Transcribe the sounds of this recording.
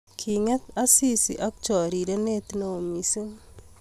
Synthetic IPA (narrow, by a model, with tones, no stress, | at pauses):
kʰi˨ŋɛ˦t̪a˦si˦sḭ˨ʔa˦k̚t͡ʃɔ˨ɾi˨ɾe˦ne˦t̪no˦˨o˨mi˨si˦ŋ